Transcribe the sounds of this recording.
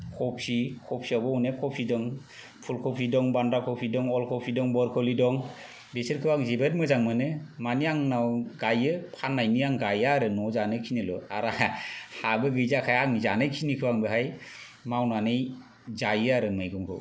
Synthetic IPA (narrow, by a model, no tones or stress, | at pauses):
kʰɔpʰikʰɔpʰiabɔunekʰɔpʰidɔŋ | pʰulkʰɔpʰidɔŋbandɾakʰɔpʰidɔŋɔlkʰɔpʰidɔŋbɔɾkʰɔlidɔŋ | besɯɾkʰɯwaŋzibɯt̚mɯzaŋmɯnɯmaniaŋnawɡajɯpʰanːajniaŋɡajaɾɯnɔzanɯkʰinilɔ̰aɾahabɯɡɯjzakʰajaŋizanɯkʰinikʰɯwaŋbɯɦaj | mawnanɯj | zajaɾɯmɯjɡɔŋkʰɯ̰w